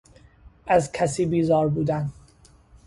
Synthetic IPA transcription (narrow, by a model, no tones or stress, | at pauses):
ʔæzkʰæsiːbiːzɒːɾbuːd̪æn